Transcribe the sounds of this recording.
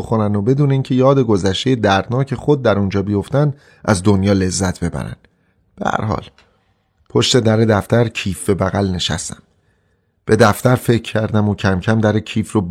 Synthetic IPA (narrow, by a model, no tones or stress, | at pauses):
oxonænobe̞d̪uːneincʰe̞jɒːd̪e̞ɡo̞zæʃt̪e̞jed̪æɾd̪nɒːcʰe̞xod̪̚ːæɾund͡ʒɒːbijo̞ft̪ænd̪ | ʔæzd̪onjɒːle̞zːæt̪ʰbe̞bæ̰ɾæ̰nd̪ | b̥ehæ̰ɾɦɒ̰ːl | pʰoʃt̪ed̪æɾe̞d̪æft̪æɾcʰiːfbe̞bæɣælne̞ʃæ̰st̪æ̥̰m | b̥e̞d̪æft̪æɾfecʰːæɾd̪æmocʰæmcʰæmd̪æɾecʰiːfɾob